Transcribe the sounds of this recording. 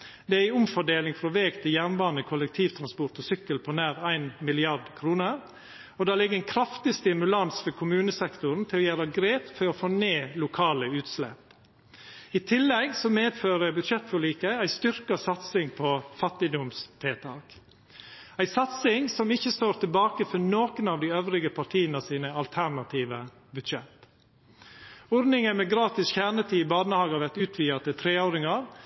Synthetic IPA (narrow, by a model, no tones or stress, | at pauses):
d̪ɛæɪʊmfɔɖeːlɪŋfɾoːʋeːɡt̪ʰɪjænʋɑːɾnəkʰʊlɛk̚t̪ʰiːʋt̪ʰɾɑnspɔʈ̪ɔsʏkːəlpʰɔnæːɾæɪnmɪlɪɑɖkʰɾuːnəɾ | ɔd̪ɑːlɪɡːəænkʰɾɑft̪ɪst̪ɪmʉlɑnsfɔɾkʰʊmʉːnəsɛkt̪ʊɾn̩t̪ʰɪlɔjæːɾɑɡɾeːpfɔɾɔfoːneːlʊkʰɑːləʉːt̪slɛ̰p | ɪt̪ʰɪlːɛɡsɔmeːd̪føːɾəbʉd̪ʃɛt̪ːfɔɭiːkəæɪst̪ʏɾkɑsɑt̪sɪŋpʰɔfɑt̪ːɪd̪ʊmst̪ʰeːt̪ʰɑːk | æɪsɑt̪sɪŋsɔmɪçːəst̪oːɾt̪ʰɪlbɑːkəfɔnoːkənɑːʋd̪ɪøːʋɾɪɡəpʰɑʈʰiːənəsiːnəɑlt̪ʰæɾɳɑt̪ʰiːʋə | bʉd̪ʃɛt̪ | ɔɾd̪nɪŋənmɛɡɾɑːt̪ɪsçæːɳət̪ʰiːɪbɑːnəhɑːɡɑʋæt̪ʉːt̪ʰʋiːɑt̪ɪt̪ʰɾeːoːɾɪŋɑɾ